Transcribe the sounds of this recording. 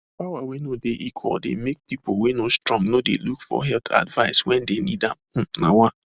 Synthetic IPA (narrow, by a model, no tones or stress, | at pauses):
pawawenodeʔikʰɔ̰dḛmek̚pipowenostɹɔ̃ŋnodḛlukfɔ̰ɦɛlt̪ʰa̰dvaɪswɛndenidam̩na̰wa